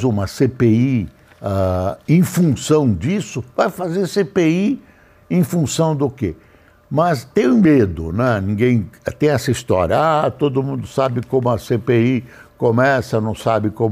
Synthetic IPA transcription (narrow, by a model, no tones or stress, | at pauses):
zũmɐsepei | aẽj̃fũsɐ̃w̃d͡ʒisʊvajfazeɾsepei | ẽj̃fũsɐ̃w̃d̪ʊke | mɐst̪ẽj̃ʊ̃med̪ʊnɛnĩɡẽj̃ɛt̪ẽj̃ɛsɐist̪ɔ̰ɾjɐ̰at̪od̪ʊmũnd̪ʊsabɪkõmʊɐsepei | komɛsɐnɐ̃w̃sabɪkõm